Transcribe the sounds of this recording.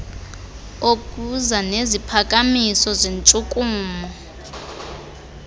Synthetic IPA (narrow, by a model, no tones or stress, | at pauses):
okʼuzanezipʰakʼamisɔzent͡sʼukʼuːmɔ